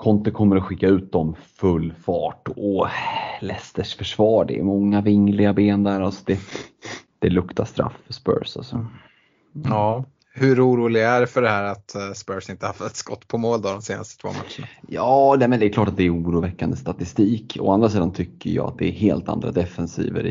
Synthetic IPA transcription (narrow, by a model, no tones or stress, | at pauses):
kʰɔnt̪ʊkʰɔmːəɾɔɧɪkːaʉ̟ːt̪̚d̪ɔmfɵlːfɑːʈɔlɛst̪əʂfœʂvɑːɖɛ̰ːmɔŋːavɪŋːlɪɡabeːnd̪æɾasɔ̥d̪ɛ | d̪̥ɛlɵkt̪ʰaʂt̪ɾa̰fːœspœ̰ɾsa̰lsɔ | ɑː | hɵɾuːɾuːlɪɡæɾfœɖɛhæːɾat̪spœɾsɪnt̪əhaft̪ɛt̪skɔt̪ːpʰɔmoːld̪ɔd̪ɔmseːna̰st̪ət̪ʰvo̰ːmat̪ʂəɳajɑːnɛmɛnd̪ɛːɾklɑːʈat̪̚d̪ɛːɾuːɾuːvɛkːand̪əst̪at̪ɪst̪iːkɔ̰and̪ɾasiːd̪ant̪ʰʏkːəjɑ̰ːa̰t̪̚d̪ɛːɦeːlt̪a̰nd̪ɾa̰d̪ɛfɛnsḭːvə̰ɾɪ